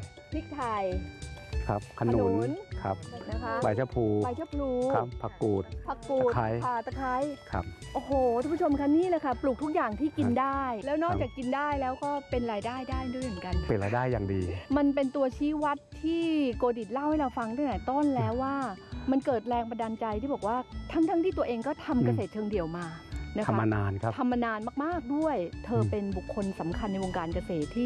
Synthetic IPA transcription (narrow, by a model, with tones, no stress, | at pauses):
p̪ʰi˦˥k̚t̪ʰa˧˩j | kʰɾa˦˥p̚kʰa˧nunu˩˦nkʰa̰˦˥p̚kʰa˦˥ba˨˩jt͡ɕʰa˦˥pʰuː˧a˧jt͡ɕʰa˦˥pʰluː˧kʰa˦˥pʰːa˧kuː˨˩t̪̚pʰa˨˧˩kːuː˧˨˩t̪kʰa˦˥jʰa˧˨˩t̪a˧kʰa˦˥jkʰa̰˦˥p̚ʔoː˨˩ɦoː˨˩a˧˥˧pʰu˥t͡ɕʰo˧mkʰa˦˥niː˥˩lɛː˧˩kʰa˥˩plu˨˩k̚t̪ʰu˦˥k̚jaː˨˩ŋt̪ʰiː˥˩ki˧ndaː˥˩jlɛː˦˥wnɔː˥˩k̚t͡ɕaː˨˩kːi˧ndaː˥˩jlɛː˦˥wkɔː˥˩pe˧nɾaː˧jdaː˥˩jdaː˥˩jdu˥˩˨jmɯ˩˦nka˧npe˧nɾa̰ː˧jdaː˥˩jːaː˨˩ŋdiː˧ma˧npe˧nt̪u˧ɐt͡ɕʰiː˦˥wa˦˥t̪ʰːiː˥˩koː˧di˨˩t̪̚la˥˩wha˥˩jɾa˧wfa˧ŋdɯ˥˩a˨˧˩t̪ɔː˥˩nlɛː˦˥wːaː˥˩ma˧nkɤː˨˩t̪̚ɾɛː˧ŋpa˧da˧nt͡ɕa˧jt̪ʰiː˥˩bɔː˨˩k̚waː˥˩t̪ʰa˦˥ŋt̪ʰa˦˥t̪ʰiː˥˩t̪u˧ɐʔeː˧ŋkɔː˥˩t̪ʰa˧mka˧seː˨˩t̪̚t͡ɕʰɤː˧ŋdi˨˩əwmaː˧na˦˥kʰa˦a˧naː˧nkʰa˦t̪ʰa˧mːa˧naː˧nmaː˥˩k̚maː˥˩k̚du˥˩əjt̪ʰɤː˧pe˧nbu˨˩kʰːo˧nsa˩˦mkʰa˧nːa˧jwo˧ŋkaː˧nka˧seː˨˩t̪ʰːiː˥˩